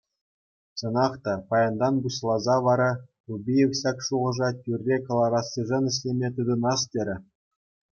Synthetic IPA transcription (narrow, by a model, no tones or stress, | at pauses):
sɤ̆nɑχt̪ɑpɑjɑnd̪ɑnbuɕlˠɑzɑʋɑɾɑrubʲijefɕɑkʂuʁɤ̆ʐɑtʲyrʲːekɤ̆lˠɑɾɑsːʲiʐɤ̆nɘ̆ɕ̬lʲemʲet̪ɯd̪ɤ̆nɑstʲeɾʲɘ̆